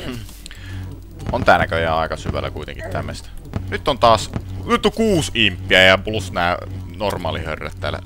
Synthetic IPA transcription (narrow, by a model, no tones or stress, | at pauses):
ʔont̪æːnækøjæɑˑekɑsyʋæ̰lːæ̰kuit̪ḛŋkit̪t̪æmːḛst̪ænyt̪ːont̪ɑːsnyt̪ːoŋkuːsimpːiæeˑhæmplusnæˑenormɑːlihø̰rːæ̰t̪t̪æ̰ːlːæ̰